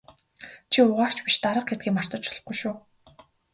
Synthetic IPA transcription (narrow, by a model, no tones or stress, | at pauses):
t͡ɕʰiʊʁaːwt͡ɕpiʃt̪aɾə̆q̚ɡet̪̚ɡiːŋmar̥t̪ə̆t͡ɕɔ̥ɮ̥̆χ̚ɡŭjʃʊː